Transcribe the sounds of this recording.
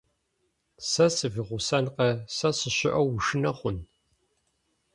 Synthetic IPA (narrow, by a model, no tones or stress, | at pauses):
sɐsɨviʁʷʊsɐnqɐsɐsɨɕɪʔɐwʊʂɨnɐχʷʊn